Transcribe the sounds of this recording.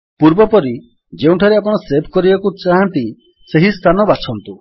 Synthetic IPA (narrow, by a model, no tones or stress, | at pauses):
puɾbɔpɔɾi | d͡ʒeũʈʰaɾeap̬ɔɽ̃ɔsepʰkɔɾibakut͡ʃaɦant̪i | seɦist̪ʰanɔbat͡ʃʰɔnt̪u